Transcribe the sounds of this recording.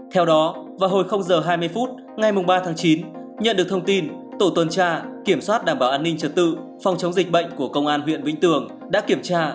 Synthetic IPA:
t̪ʰɛ˧wɗɔ˨˦vaː˨˩ɦo˨˩jxə˧wŋ͡mzəː˨˩ɦaː˧jmɨ˧əjfu˦˥t̚ | ŋa˨˩jmʊ˨˩ŋ͡mɓaː˧t̪ʰaː˨˦ŋt͡ɕi˨˦n | ɲə̰˧˨nɗɨ˨˩ək̚t̪ʰə˧ŋ͡mt̪i˧nt̪o̰˧˩t̪wə˨˩nt͡ɕaː˧ki˧˩əmswaː˦˥t̚ɗaː˧˩mɓaː˧˩wʔaː˧nːï˧ŋ̟t͡ɕə˨˩t̚t̪ɨ̰˧˨ | fɔ˨˩wŋ͡mt͡ɕə˨˦wŋ͡mzï˨˩k̟̚ɓə̰˧˨jŋ̟ku˧˩əkə˧wŋ͡mʔaː˧nɦwḭ˧˨ənvḭ˧˥ŋ̟t̪ɨ˨˩əŋ | ɗa̰ː˧˥ki˧˩əmt͡ɕaː˧

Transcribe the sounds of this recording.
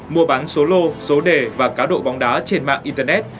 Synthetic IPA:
mu˧˩əɓaː˨˦nso˨˦lo˧so˨˦ɗe˨˩vaː˨˩kaː˨˦ɗo̰˧˨ɓɔ˨˦wŋ͡mɗaː˨˦t͡ɕe˧nma̰ː˧˨ŋʔi˧nt̪əː˧nɛ˦˥t̚

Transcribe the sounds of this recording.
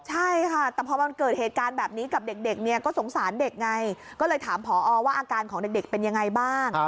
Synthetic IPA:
t͡ɕʰa˥˩jkʰa˥˩t̪ɛː˨˩pʰɔː˧ma˧nkɤː˨˩t̪̚heː˨˩t̪̚kaː˧nbɛː˨˩p̚niː˦˥ka˨˩p̚de˨˩k̚de˨˩k̚ni˥˩ɐkɔː˥˩so˩˦ŋsaː˩˦nde˨˩k̚ŋa˧j | kɔː˥˩lɤː˧jt̪ʰaː˩˦mpʰɔː˩˦ʔɔː˧waː˥˩ʔaː˧kaː˧nkʰɔː˩˦de˨˩k̚de˨˩k̚pe˧nja˧ŋːa˧jbaː˥˩ŋ

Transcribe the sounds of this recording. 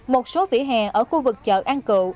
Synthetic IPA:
mo˨˩t̚so˨˦vḭ˧˩ɦaː˨˩ŋʔəː˧˩xu˧vɨ˨˩k̚t͡ɕə̰ː˧˨˩ʔaː˧nkɨ̰˧˨

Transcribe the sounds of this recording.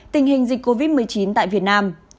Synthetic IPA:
t̪ï˨˩ŋ̟ɦï˨˩ŋ̟zi˨˩k̟̚kːo˧vi˦˥t̚mɨ˨˩əjt͡ɕi˨˦nt̪a̰ː˧˨vi˨˩ət̚naː˧m

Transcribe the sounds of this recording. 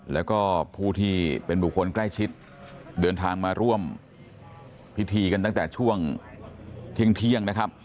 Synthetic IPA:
lɛː˦˥wkɔː˥˩pʰuː˥˩t̪ʰiː˥˩pe˧nbuː˨˩kʰo˧nkla˥˩jt͡ɕʰi˦˥t̪̚ | dɤː˧nt̪ʰaː˧ŋmaː˧ɾu˥˩əm | pʰi˦˥t̪ʰiː˧ka˧nt̪a˥˩ŋt̪ɛː˨˩t͡ɕʰu˥˩əŋ | t̪ʰi˥˩əŋt̪ʰi˥˩əŋna˦˥kʰa˦˥p̚

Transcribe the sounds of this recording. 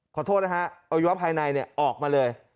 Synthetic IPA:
kʰɔː˨˩t̪ʰoː˥˩t̪̚a˦˥kʰa˦˥ʔʔa˧i˦wa˦˥pʰːaː˧jna˧jni˥˩ɐʔɔː˨˩k̚maː˧lɤː˧j

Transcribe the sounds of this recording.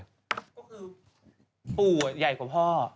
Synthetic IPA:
kɔː˥˩kʰɯː˧ | pu˨˩ja˨˩jkʰu˨˩˦pʰɔː˥˩

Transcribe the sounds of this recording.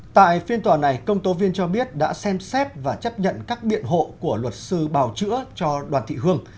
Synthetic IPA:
t̪a̰ː˧˨jfi˧ənt̪waː˨˩na˨˩jkə˧wŋ͡mt̪o˨˦vi˧ənt͡ɕɔ˧ɓi˦˥ət̚ɗa̰ː˧˥sɛ˧msɛ˦˥t̚vaː˨˩t͡ɕə˦˥p̚ɲə̰˧˨nkaː˦˥k̚ɓḭ˧˨ənɦo̰˧˨ku˧˩əlwə˨˩t̚sɨ˧ɓaː˨˩wt͡ɕɨ̰˧˥ət͡ɕɔ˧ɗwaː˨˩nt̪ʰḭ˧˨ɦɨ˧əŋ

